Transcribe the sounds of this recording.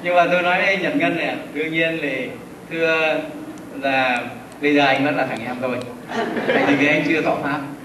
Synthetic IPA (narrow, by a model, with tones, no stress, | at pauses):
ɲɨ˧ŋmaː˨˩t̪o˧jnɔ˨˦jʔa˧ŋɲə̰˨˩n̚ŋə˧nːɛ̰˨˩ɗɨ˧əŋɲi˧ənle˨˩ | t̪ʰɨ˧ə | laː˨˩ | ɓə˧jzəː˨˩ʔa˧jŋ̟və˦˥t̚laː˨˩aː˨˩ŋʔɛ˧mt̪o˧jʰ | a̰˧˨jt̪ʰi˨˩kaː˨˦jʔa˧ŋ̟t͡ɕɨ˧ət̪ʰɔ˧˩faː˦˥p̚